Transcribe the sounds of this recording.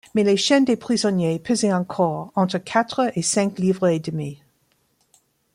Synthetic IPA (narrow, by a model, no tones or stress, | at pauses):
meleʃɛnd̪epχizɔnjepʰøzɛɑ̃kʰɔʁɑ̃t̪χəkʰat̪χəesɛ̃ŋkliːvʁəed̪əmi